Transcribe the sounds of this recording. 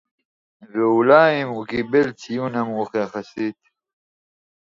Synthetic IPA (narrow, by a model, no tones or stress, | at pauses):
veulaːimukibelt͡sʰijũnɐmːxexɐsit̪